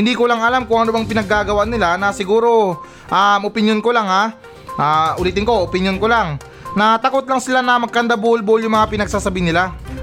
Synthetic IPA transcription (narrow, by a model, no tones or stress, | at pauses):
hɪnd̪ikolaŋɐlamkʊŋʔɐnobɐŋpɪnɐɡːaːɡɐwaʔnɪlanɐsɪɡuːɾo̞ | ʔamʔopɪnjonkolaŋa | ʔaʔʊlit̪ɪŋko̞opɪnjonkolaŋ | nɐt̪ɐko̞t̪̚lɐŋsɪlanɐmɐɡ̚kɐnd̪abuhʊlbuʊljʊŋmɐŋapɪnɐɡ̚saːsɐbiːnɪla